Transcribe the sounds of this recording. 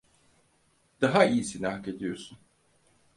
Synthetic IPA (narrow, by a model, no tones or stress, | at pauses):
d̪̥aɦaijisinahked̪ijo̞ɾsun